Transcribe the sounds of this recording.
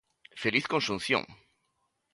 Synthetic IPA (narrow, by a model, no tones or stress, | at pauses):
feliθkonʃũn̟θjõ̰ŋ